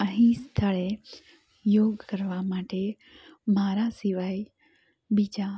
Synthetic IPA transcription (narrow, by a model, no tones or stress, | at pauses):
əɦĩst̪ʰəɭe | joːɡkəɾʋamaːʈe | maːɾasiʋaːi | bid͡ʒa